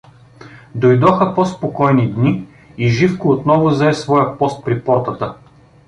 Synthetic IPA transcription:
d̪ojd̪ɔxɐpospokɔjnid̪ni | iʒifkoot̪nɔvʊzɐɛsvɔjəpɔst̪̚pɾipɔɾt̪ət̪ə

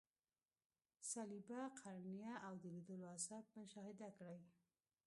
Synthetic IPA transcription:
salibaqʰaɾnijaawd̪əlid̪oloasab̚mʊʃɑhɪd̪akɽaj

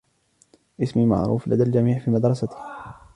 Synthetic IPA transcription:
ʔɪsmima̰ʕɾˤṵːfla̰d̪ald͡ʒamiːʕfiːmad̪ɾˤɑsat̪h

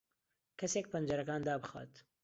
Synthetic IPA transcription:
kʰɐseːk̚pɨnd͡ʒɐɾɐkaːnd̪aːbɨxa̰ːt̪

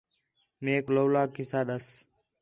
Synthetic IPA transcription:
meːkloːlaːkɪsaːɗəs

